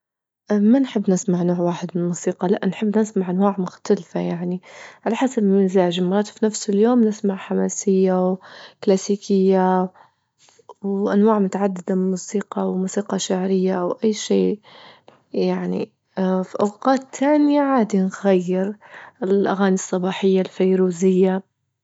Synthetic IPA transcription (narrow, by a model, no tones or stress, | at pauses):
ʔmanħɪbːnɪsmaʕnoːʕwaːħɪd̪mɪnmuːsiːqɑlaʔnħɪbːnɪsmaʕʔanwaːʕmʊxt̪alfajaʕniʕalaħasabɪlmɪzaːʒɪlmɑɾˤɑːt̪fnafsʊljoːmnɪsmaʕħamaːsɪjːawklaːsiːkʰɪjːa | wʔanwaːʕmʊt̪aʕad̪ːɪd̪abmuːsiːqɑwmuːsiːqɑʃaʕɾɪjːawʔajːʃeː | jaʕnḭ | fiʔawqɑːt̪ʰːaːnjaʕaːd̪inɣajːɪɾɪlʔaɣaːnisˤːɑbɑːħɪjːalfajɾuːzɪjːa